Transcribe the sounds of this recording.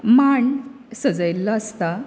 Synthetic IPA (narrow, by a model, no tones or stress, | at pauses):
maɳ | səd͡zəjlːəəst̪a